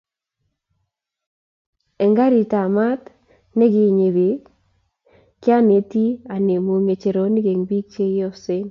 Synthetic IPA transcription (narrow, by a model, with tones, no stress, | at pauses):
ɛ˨ŋɡa˦ɾi˨ta˨ma˦t̪ | nɛ˦ɡɪ˨˦˨ɲe˨be˨ | kɪ˦a˦ne˨ti˦a˨ne˨mo˨ŋe˨t͡ʃe˨ɾo˨ni˦ɡe˨ŋbi˦k̚t͡ʃe˦jɔ˦se˦n